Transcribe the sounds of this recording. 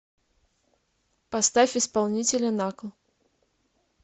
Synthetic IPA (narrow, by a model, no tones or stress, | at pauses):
past̪afʲispalˠnʲit͡sʲelʲɐnaklˠ